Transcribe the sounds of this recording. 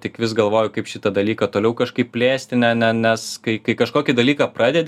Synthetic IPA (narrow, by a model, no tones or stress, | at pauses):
tʲɪkʋʲɪsɡɐlˠʋoːjʊkɐɪpʃʲɪt̪ɐd̪ɐlʲiːkɐt̪oːlʲɛʊkɐʃkɐɪpʲpʲlʲeːsʲt̪ʲɪnʲɛnʲɛnʲɛskɐɪkɐɪkɐʃkoːkʲid̪ɐlʲiːkɑpɾɑːd̪ʲedʲ